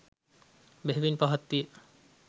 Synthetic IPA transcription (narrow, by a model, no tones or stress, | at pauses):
beɦbinpɔɦɔt̪ːie